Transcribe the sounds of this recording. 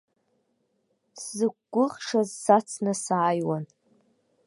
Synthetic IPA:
szɨkːʷʊʁʂazsat͡sʰnɨsaːjwan

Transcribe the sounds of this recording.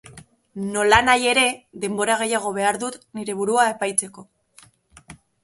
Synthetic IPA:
no̞lanaje̞ɾe̞ðe̞mbo̞ɾaɣ̞e̞jaɣ̞o̞β̞e̞aɾðut̪niɾe̞β̞uɾuae̞pajt͡se̞ko̞

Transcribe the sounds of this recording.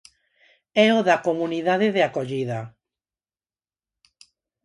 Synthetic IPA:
ɛoðakomũniðaðeðeakoʎiða

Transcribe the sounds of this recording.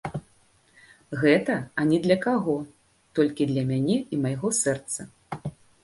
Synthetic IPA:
ɣɛt̪ɐɐnʲɛd̪lʲɐkaɣɔ | t̪ɔlʲkʲid̪lʲɐmʲanʲɛimajɣɔsɛrt̪sɐ

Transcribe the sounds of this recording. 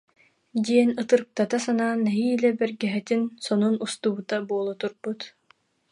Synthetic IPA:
d̪iɛnɯt̪ɯɾk̚t̪at̪asanaːnɛɦiːlɛbɛɾɡɛɦɛt̪insɔnunust̪ubut̪abuɔlˠɔt̪uɾb̥ut̪

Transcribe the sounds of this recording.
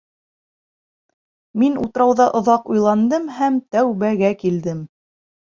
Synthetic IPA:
minut̪̆ɾɑwðɑʔŏðɑqujlˠɑnd̪ɤmhæmt̪æwβæɡækild̪ɘm

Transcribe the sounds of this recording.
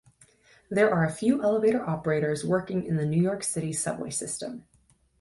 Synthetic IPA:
ðə˞ʔə˞ɨfjʉʔɛlˠəveɪɾə˞ʔɑpə˞eɪɾə˞zwɜ˞kɪ̃ŋɪ̰̃nðɨnʉjɔɹksɪɾi̥sʌ̰bwḛɪsɪstə̰̃m

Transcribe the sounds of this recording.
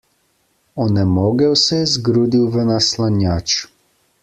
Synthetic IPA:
ɔnɛmoːɡɛwsɛjɛzɡɾuːd̪iwvənaslanjat͡ʃ

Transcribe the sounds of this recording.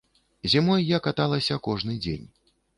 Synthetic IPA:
zʲimɔjːakat̪alˠɐsʲɐkɔʐnɨd͡zʲḛnʲ

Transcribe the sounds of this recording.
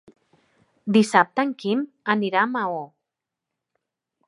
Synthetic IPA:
d̪isap̚t̪aŋkim | aniɾamao

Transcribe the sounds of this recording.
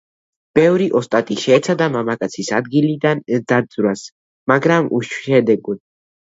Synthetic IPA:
b̥ɛvɾiʔɔst̪ʼat̪ʼiʃɛːt̪sʰad̪amamakʼat̪sʰisad̪̚ɡilid̪and̪ad̪z̥ʼɾas | maɡɾamṵʃɛd̪ɛɡud̪

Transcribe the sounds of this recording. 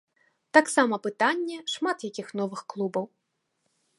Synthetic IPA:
t̪aksamɐpɨt̪anʲːɛʂmat̪jakʲixnɔvɨxklˠubɐw

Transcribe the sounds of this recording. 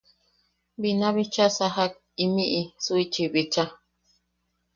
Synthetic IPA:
binãβit͡ʃasaɦak̚ | imiʔisuit͡ʃiβit͡ʃa

